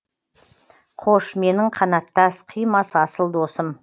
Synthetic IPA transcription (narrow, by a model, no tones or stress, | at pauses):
qʰoʃme̞nɪŋqʰɑnɑt̪ːɑsqʰijmɑsəɑsəlˠd̪osəm